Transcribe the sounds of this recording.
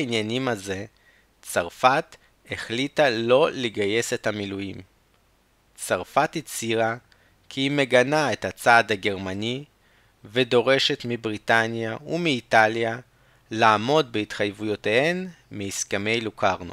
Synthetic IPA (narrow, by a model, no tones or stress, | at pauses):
injanimaze̞ | t͡saʁfat̪ | eχlitalo̞leɡaje̞se̞thamilujim | t͡saʁfatit͡siʁa | kʰiime̞ɡanae̞that͡saːdaɡe̞ʁmani | ve̞do̞ʁe̞ʃe̞tmibʁitanjaumiːtalja | laːmo̞d̚beitχajvujo̞tehen | miːskeme̞jlukʰaʁno̰